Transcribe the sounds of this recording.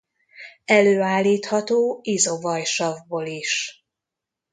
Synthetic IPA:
ɛløːaːlːiːt̪hɒt̪oːizo̞vɒjʃɒvboːliʃ

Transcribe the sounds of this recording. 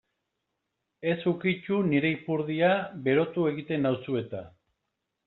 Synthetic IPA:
e̞sukit͡ʃuniɾe̞ipuɾðiabe̞ɾo̞t̪ue̞ɣit̪e̞nawsue̞t̪a

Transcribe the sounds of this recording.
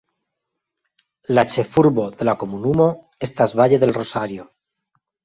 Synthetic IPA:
lat͡ʃe̞fuɾβoðe̞lako̞munumo | est̪azβaʎeðe̞lrosaɾjo

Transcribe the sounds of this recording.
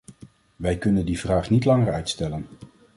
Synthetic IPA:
ʋɛjkɵnəndivraːχnitlɑŋəɹœɥtstɛlən

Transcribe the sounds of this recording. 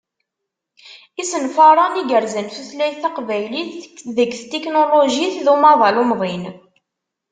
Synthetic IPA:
isənfɑɾˤɑniɡəɾzənθuθlæjθɑqvæjliθðəɡθt̪ːeknoloʒiθðumɑðˤɑlumðˤin

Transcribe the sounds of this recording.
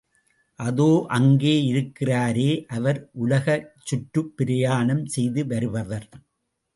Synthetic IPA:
ʔɐðoːʔɐŋɡeːɪɾɯkːɪraːɾeːʔɐʋɐɾʔʊlɐɣɐt͡ʃːʊʈːɯpːɪɾɪjaːnɐmsɛjðɯʋɐɾɯʋɐʋɐɾ

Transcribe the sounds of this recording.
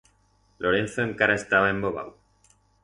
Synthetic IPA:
lʔo̞ɾe̞n̟θoeŋkaɾaest̪aβae̞mboβ̞a̰w

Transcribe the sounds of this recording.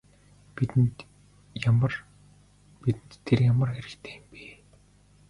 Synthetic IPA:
pit̪ɘ̆nt̪ | jamər | pit̪ɘ̆nt̪ʰːerjamə̆rxeɾɘ̆kt̪ʰeːmpiː

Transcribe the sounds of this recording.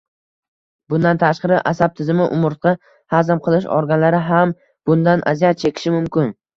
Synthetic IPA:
bʊnd̪ant̪ʰaʃqɑɾɪʔasab̚t̪ʰɪzɪmɪʔʊmʊɾt̪̚qɑ | hazamqʰɨlˠɪʃɒ̰ɾɡʲanlaɾɪɦam | b̥ʊnd̪anʔa̰zijat̪̚t͡ʃʰe̞kʲʰɪ̥ʃɪmʊmkʲɪn

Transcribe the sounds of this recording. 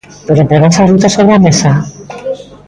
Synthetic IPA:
p̪oɾemp̪ɾeɣansarut̪asoβɾeamesa

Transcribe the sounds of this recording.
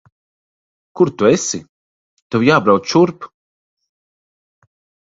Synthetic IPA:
kuɾt̪uɛsḭ | t̪uwjaːbɾawt͡s̪t͡ʃuɾp

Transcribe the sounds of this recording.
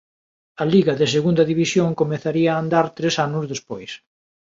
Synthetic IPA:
ɐliɣɐðeseɣund̪ɐðiβisjoŋkomeθaɾiɐːnd̪aɾt̪ɾesanʊzðespojs

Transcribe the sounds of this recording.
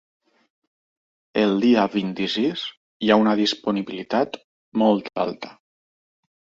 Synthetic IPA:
əlˠd̪iaβint̪isis | jaunəð̞ispuniβilit̪at̪ | mɔlˠt̪a̰lˠt̪ə̥

